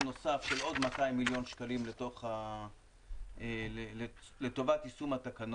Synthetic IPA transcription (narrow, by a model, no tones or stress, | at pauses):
no̞safʃelo̞d̪mat̪ajmːiljo̞nʃkalimlet̪o̞χa | le | let̪o̞vat̪isumat̪akan